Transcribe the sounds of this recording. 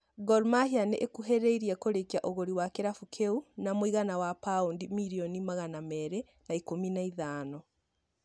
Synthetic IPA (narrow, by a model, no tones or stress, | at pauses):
ɡɔɾmahianeʔekuɦɛɾeiɾiɛkoɾekiaʔoɣoɾiwakeɾafukʰeunamoiɣanawapaundimiɾiɔnimaɣanamɛɾɛ | naikominaiðaːnɔ